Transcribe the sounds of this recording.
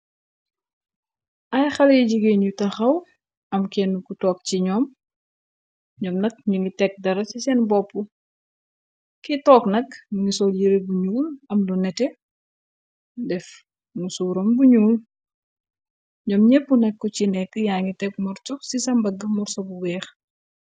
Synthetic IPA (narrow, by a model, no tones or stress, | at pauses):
ʔɐjxɐljiɟiɡenɲutɐxɐw | ɐmkɛnːukutɔːk̚ciɲɔːm | ɲɔːmnɐk̚ɲuŋɡitɛk̚dɐɾɐsisɛnbɔpːu | kitɔːknɐknuŋisɔljiɾebuɲuːlɐmlunɛtɛ | dɛf | musuːɾɐmbuɲuːl | ɲɔːmɲɛpːunɛkːɔcinɛkːəjaːŋitɛk̚mɔɾt͡ʃɔxsisɐmbɐɡːɐmɔɾsɔbuwɛːx